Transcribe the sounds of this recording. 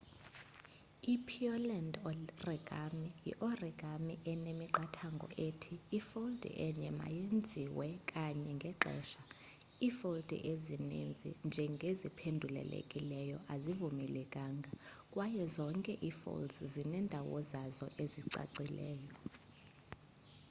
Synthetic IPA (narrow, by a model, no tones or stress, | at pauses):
ipʰiɔlɛndɔrɛɡ̥ʱamijḭʔɔrɛɡ̥ʱamiʔɛnemiǃatʰaŋɡʱɔ̰ʔeːtʰiːfold̥ʱʼḭʔɛɲɛma̰jend͡zʱiwɛkʼaɲɛŋɡʱɛǃɛ̰ːʃa | ifold̥ʱḭʔezinend͡zʱḭnd͡ʒʱɛŋɡʱezipʰendʱulɛ̰lḛkʼilɛjɔʔazivumilɛkʼaːŋɡʱakʼwajɛzɔŋkʼɛʔifo̰ldzzinɛndʱawɔ̰zazɔ̰ʔeziǀa̰ǀilɛːjɔ